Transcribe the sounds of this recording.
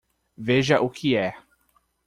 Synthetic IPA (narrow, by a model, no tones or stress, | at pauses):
veʒɐʔʊkʰɪɛ